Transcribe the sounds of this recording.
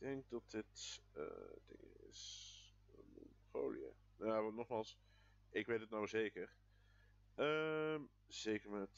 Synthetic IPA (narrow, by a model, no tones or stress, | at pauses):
d̥ɛŋk̚dɑt̚dɪtə̰dɪ̰ŋɪ̰s | mɔ̰nəfo̰wlḭja̰ | naʋnɔχmaːlˠs | ɪkʋejtətnawzejkəɹ | əm | z̥ejkəɹmɛt